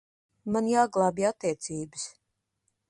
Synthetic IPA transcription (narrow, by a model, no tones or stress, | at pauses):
manjaːɡlˠaːbiat̪ːiɛt̪siːbɨs